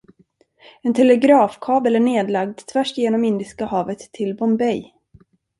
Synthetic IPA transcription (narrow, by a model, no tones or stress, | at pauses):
ɛnt̪ʰɛlɛɡɾɑːfkʰɑːbəlæɳeːd̪laɡ̚d̪t̪ʰvæʂjeːnɔmɪnd̪ɪskahɑːvət̪ʰːɪlbɔmbɛj